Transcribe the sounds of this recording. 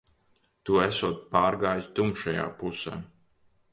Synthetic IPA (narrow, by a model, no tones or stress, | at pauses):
t̪uːæsuɔt̪̚paːɾɡaːjst̪umʃaja̰ːpusɛ̰ː